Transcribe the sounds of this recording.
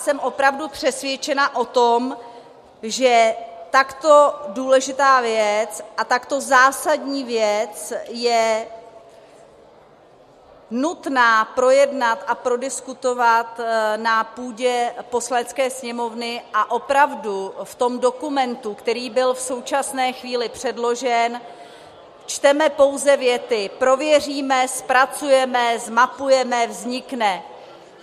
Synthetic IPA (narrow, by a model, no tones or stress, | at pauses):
sɛmʔo̞pɾavdupr̝̥ɛsvjɛt͡ʃɛnaʔo̞t̪om | ʒɛt̪akt̪o̞duːlɛʒɪt̪aːvjɛt͡sʔat̪akt̪o̞zaːsadɲiːvjɛt͡sjɛ | nut̪naːpɾo̞jɛdnat̪ʔapɾo̞dɪskut̪o̞vat̪napuːɟɛpo̞slaɲɛt͡skɛːsɲɛmo̞vnɪʔaʔo̞pɾavduft̪o̞mdo̞kumɛnt̪ukt̪ɛɾiːbɪlfso̞wt͡ʃasnɛːxviːlɪpr̝̥ɛdlo̞ʒɛn | t͡ʃt̪ɛmɛpo̞wzɛvjɛt̪ɪpɾo̞vjɛriːmɛspɾat͡sujɛmɛzmapujɛmɛvzɲɪknɛ